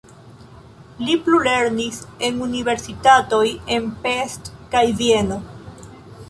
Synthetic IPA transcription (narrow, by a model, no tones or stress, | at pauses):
liplule̞ɾnise̞nunive̞ɾsitato̞je̞npestkajvie̞no̞